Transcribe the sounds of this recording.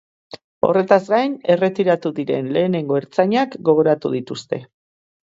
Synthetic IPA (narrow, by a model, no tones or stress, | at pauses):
o̞̰re̞t̪azɡajne̞re̞t̪iɾat̪uðiɾe̞̰nle̞ːne̞ŋɡo̞eɾt͡saɲakɡo̞ɣo̞ɾat̪uðit̪ust̪e̞̰